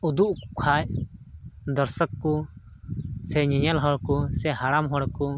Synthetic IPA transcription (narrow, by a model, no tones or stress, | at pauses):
ud̪uʔkukʰaj | d̪ɔɾsəkːu | sɛɲɛɲalɦɔɽkɔsɛɦaɽamɦɔɽku